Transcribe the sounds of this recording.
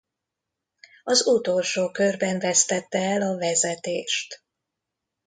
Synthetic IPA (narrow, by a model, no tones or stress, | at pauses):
ɒzut̪o̞lʃoːkørbɛɱvɛst̪ɛt̪ːɛɛlɒvɛzɛt̪eːʃt̪